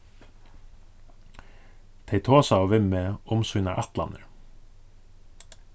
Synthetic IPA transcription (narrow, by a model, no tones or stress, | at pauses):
t̪ʰeɪt̪ʰoːsɑoːʋɪməʊmsʉnɑ̰ʔɑt̪lɑ̰nəɹ